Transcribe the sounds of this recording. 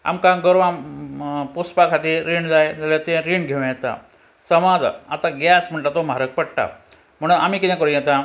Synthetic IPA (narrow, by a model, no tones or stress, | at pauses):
a̰mkãɡəɾʋã | puspakʰat̪iɾiɳd͡zajd͡zalet̪ẽɾiɳɡʱeʋ̃jɛt̪a̰ | səmad͡za̰t̪aɡasm̤əɳʈat̪omaɾək̚pəɽʈa̰ | m̤əɽunamiːkit̪ɛ̃kəɾũjɛt̪ã